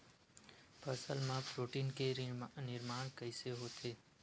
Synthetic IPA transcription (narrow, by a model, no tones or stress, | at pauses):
pəsəlmãpɾoːʈiːnkenɪɾmaːɳ̃kəɪseɦoːt̪ʰeː